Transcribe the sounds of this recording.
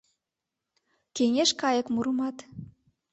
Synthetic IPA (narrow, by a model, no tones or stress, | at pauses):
keŋeʃkɑjə̆kmuɾə̆mɑt̪